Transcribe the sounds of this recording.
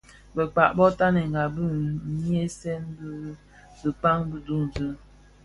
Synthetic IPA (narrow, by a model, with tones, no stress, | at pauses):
bə˨k͡pa˨ʔbɔ˦ta˦nɛ˨ŋ˨ɡa˨bə˦ɲi˦e˦sɛ˦nb | bɨ˨k͡pa˦ŋbə˦du˦n˨dɨ˦